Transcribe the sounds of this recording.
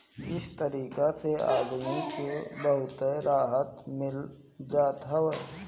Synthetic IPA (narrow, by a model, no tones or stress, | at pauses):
ɪst̪əɾiːkaseaːd̪mikebəɦʊt̪eɾaːɦət̪mɪl | d͡ʒaːt̪ɦəʋ